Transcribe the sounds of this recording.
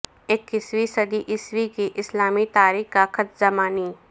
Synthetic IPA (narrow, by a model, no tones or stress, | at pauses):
eːkːɪswisɐd̪iʔɪswikiʔɪslaːmit̪aːɾiːkkakʰət̪zɐmaːniː